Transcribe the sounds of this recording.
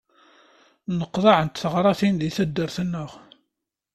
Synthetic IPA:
nəqːðˤɑʕənt̪θəʁɾˤɑθinðiθæd̪ːəɾθənːʊʁ

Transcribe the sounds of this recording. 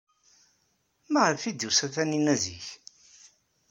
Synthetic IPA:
mæʁəfid̪jusæθæninæzḭç

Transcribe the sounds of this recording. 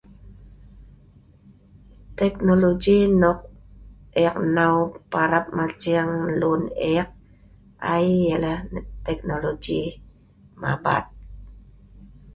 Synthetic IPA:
t̪ek̚nolod͡ʒinoq̚ | eaq̚nawpaɾap̚mat͡ʃiaŋluneaq̚ | ajːelat̪ek̚nolod͡ʒi | ma̰ba̰t̪̚

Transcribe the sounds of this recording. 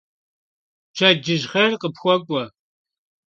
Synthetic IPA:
t͡ʃʰɐd͡ʒɪʒχɐrqəpxʷɔkʷʼɔ

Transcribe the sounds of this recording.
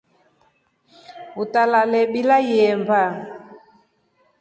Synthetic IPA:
utalalɛɓilajɛmba

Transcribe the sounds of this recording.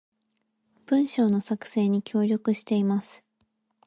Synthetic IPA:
b̥ɯ̟̃ɰ̃ɕo̞ːno̞sakɯ̟̥se̞ːɲ̟ikʲo̞ːɾʲjo̞kɯ̟ɕi̥t̪e̞imasɨ̥

